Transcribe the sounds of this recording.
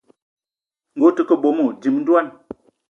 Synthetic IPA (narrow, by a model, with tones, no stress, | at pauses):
ŋ̩˨ɡo˨˦tə˨˦kə˦˨bo˨˦mo˨di˨mn̩˦dwa˦n